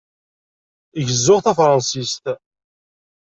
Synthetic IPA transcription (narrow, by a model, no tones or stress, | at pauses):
iʝəzːʊʁθæfɾˤɑnsist̪